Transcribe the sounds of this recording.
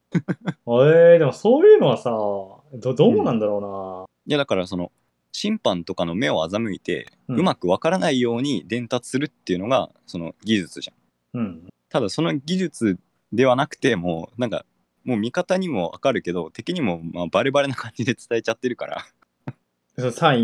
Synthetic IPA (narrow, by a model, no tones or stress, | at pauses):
aed̪e̞mo̞soːjɯ̟ːno̞βasa | d̪od̪o̞ːmonãnd̪aɾo̞ːna | jad̪akaɾaso̞no̞̰ | ɕĩmpãnt̪o̞kano̞me̞o̞azamɯ̟it̪e̞̰ɯ̟makɯ̟β̞akaɾanaijo̞ːɲ̟id̪ẽ̞nt̪at͡sɨ̥sɨɾɯ̟t̪ːe̞iɯ̟no̞ɡa̰ | so̞no̞̰ɡʲiʑɨt͡sɨʑã̰ | ɯ̃ɴt̪ad̪aso̞no̞ɡʲiʑɨt͡sɨ | d̪e̞β̞anakɯ̟̥t̪e̞mo̞ːnãŋka̰ | mo̞ːmʲikat̪aɲ̟imo̞a̰kaɾɯ̟ke̞d̪o̞t̪e̞kʲiɲ̟imo̞mabaɾe̞baɾe̞nakãɲ̟d͡ʑid̪e̞t͡sɨ̥t̪ae̞t͡ɕat̪ːe̞ɾɯ̟ka̰ɾa̰ | sosaĩ